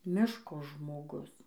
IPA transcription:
ˈmʲɪʃkoː ʒmoːˈɡʊs

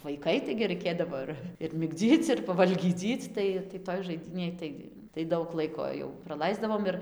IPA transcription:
ʋɐɪˈkɐɪ tɐɪɡʲɪ rɐɪˈkʲeːdɐʋoː ɪr ɪr mʲɪɡˈd͡zʲiːt͡s ɪr pɐʋɐlʲɡʲiːˈd͡zʲiːt͡s ˈtɐɪ tɐɪ ˈtoːj ʒɐɪˈdʲiːnʲeːj tɐɪ tɐɪ ˈdɐʊk ˈlˠɐɪkoː jɛʊ prɐˈlˠɐɪzdɐʋoːm ɪr

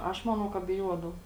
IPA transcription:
ˈɐʃ ˈmɑːnɐʊ kɐ bʲɪˈjuɔdɐʊ

